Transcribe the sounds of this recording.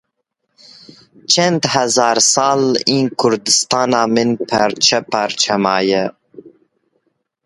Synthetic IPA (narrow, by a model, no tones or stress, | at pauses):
t͡ʃʰɛnd̪hɛzɑːɾsɑːliːnkʰʊɾd̪ɨst̪ɑːnɑːmɨnpʰɛɾt͡ʃʰɛpɑɾt͡ʃʰɛmɑːjɛ